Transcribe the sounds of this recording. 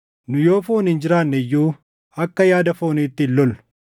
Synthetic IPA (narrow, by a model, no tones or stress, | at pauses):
nʊjo̞ːfo̞ːnɪnd͡ʒɪɾaːnːɛjːuː | ɐkːɐjaːd̪ɐfo̞ːniːt̪ːɪɪlːɔlʊ̥